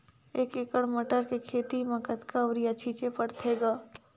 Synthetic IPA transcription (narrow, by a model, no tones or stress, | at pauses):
eːkekəɽməʈəɾkekʰeːt̪imɐkət̪kaʊɾijat͡ʃʰiːt͡ʃepəɽt̪ʰeːɡaː